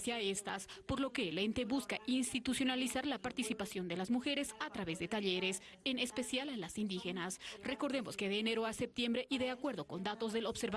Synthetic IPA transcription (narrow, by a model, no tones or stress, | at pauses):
sjaest̪aspo̞ɾlo̞ke̞ːlent̪e̞βuskaʔinst̪it̪usjo̞nalisaɾlapaɾt̪isipasjo̞nd̪e̞lazmuxe̞ɾe̞sat̪ɾaβe̞zðe̞t̪aʎe̞ɾe̞s | ene̞spe̞sjallːasind̪ixe̞nasre̞ko̞ɾðe̞moske̞ðeːne̞ɾo̞ase̞p̚t̪je̞mbɾe̞ʔiðe̞akwe̞ɾð̞o̞ko̞nd̪at̪o̞zðe̞lo̞bseɾβa